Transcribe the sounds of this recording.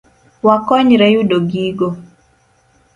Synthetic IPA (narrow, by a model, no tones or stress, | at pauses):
wakɔɲɾɛjudoɡiɡo